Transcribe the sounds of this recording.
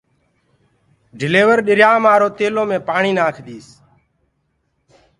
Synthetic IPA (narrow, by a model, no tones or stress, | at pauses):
ɖʱɪleːʋəɾɗɪɾjaːmaːɾoːt̪eːloːmẽːpaːɳiːnaːkʰd̪iːs